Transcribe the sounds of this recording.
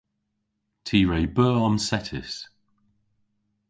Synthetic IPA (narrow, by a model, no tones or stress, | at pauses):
tʰiːɹeɪbɜːɔnsɛtʰɪ̰s